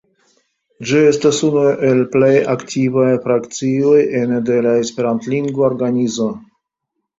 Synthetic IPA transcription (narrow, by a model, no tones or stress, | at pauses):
d͡ʒie̞stasunuʔe̞lple̞jaktʰivajfɾakt͡sio̞je̞nde̞lae̞spe̞ɾantliŋɡvooɾɡanizo̞